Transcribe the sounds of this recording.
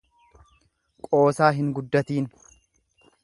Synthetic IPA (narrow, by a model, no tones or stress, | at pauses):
kʼo̞ːsaːɦɪŋɡʊd̪ːɐt̪iːn